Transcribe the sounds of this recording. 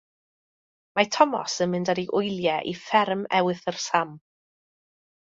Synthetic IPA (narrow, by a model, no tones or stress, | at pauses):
matʰɔmɔ̰sənmɪndaɾiʔʊjlˠjɛʔḭfɛrmɛwɨθərsam